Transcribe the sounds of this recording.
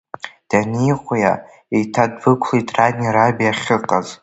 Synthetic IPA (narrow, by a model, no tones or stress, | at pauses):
d̥anijχʷja̰ | ejtʰadbɨkʷʰlejtʼradniɾabiaχʲɨqʼaz